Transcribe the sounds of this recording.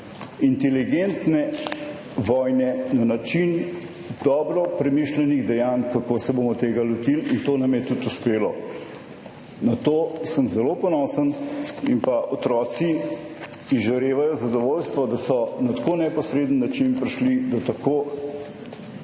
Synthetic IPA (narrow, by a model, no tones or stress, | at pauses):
int̪ɛliɡent̪nɛ | ʋɔjnɛnanat͡ʃin | d̪ɔːbɾɔpɾɛmiʃlɛniɣd̪ɛjankakosɛboːmɔt̪eːɡalɔt̪ilint̪oːnɐmjɛt̪ut̪uspeːlɔ | nat̪oːsəmzɛlopɔnɔːsənimpaʔɔt̪ɾɔːt̪si | izʒɐɾeːʋajɔzɐd̪ɔʋoːlst̪ʋɔd̪asɔnat̪ḁkoːnɛpɔsɾeːd̪ənːat͡ʃinpɾiʃlid̪at̪ɐkoː